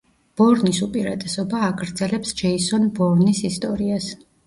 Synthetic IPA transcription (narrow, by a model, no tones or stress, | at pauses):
b̥ɔɾnisupʼiɾat̪ʼɛsɔbaːɡɾd̪zɛlɛpsd͡ʒɛisɔnbɔɾnisist̪ʼɔɾias